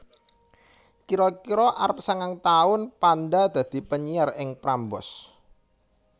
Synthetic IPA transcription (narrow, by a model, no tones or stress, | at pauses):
kiɾɔkiɾɔʔaɾpsaŋaŋt̪aʊnpanɖad̪̥ä̤d̪̥i̤pəɲiarɪŋpɾambɔ̰s